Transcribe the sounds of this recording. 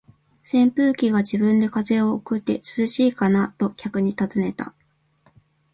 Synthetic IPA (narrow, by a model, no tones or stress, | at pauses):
sẽ̞mpɯ̟ːkʲiɡaʑibɯ̟̃nd̪e̞kaze̞o̞kɯ̟t̪ːe̞sɨzɨɕiːkanat̪o̞kʲakɯ̟ɲ̟it̪azɨne̞t̪a̰